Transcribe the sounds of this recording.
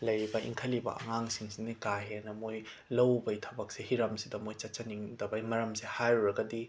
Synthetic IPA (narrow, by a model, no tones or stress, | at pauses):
lɐjɾibɐʔḭŋkʰɐlibɐ̰ʔɐ̰ŋaŋsiŋsinikaɦenɐmoj | lɐwbɐjtʰɐbɐk̚sehiɾɐmsidɐmojt͡ʃɐt͡ʃɐniŋdɐbɐjmɐɾɐmsehajɾuɾɐɡɐdi